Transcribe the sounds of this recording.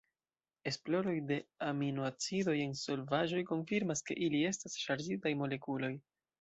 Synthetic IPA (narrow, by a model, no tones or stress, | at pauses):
e̞splo̞ɾo̞jde̞aminuat͡sido̞je̞nso̞lvaʒo̞jko̞nfiɾmaske̞̰ʔilie̞stasʃaɾd͡ʒitajmo̞le̞kulo̞j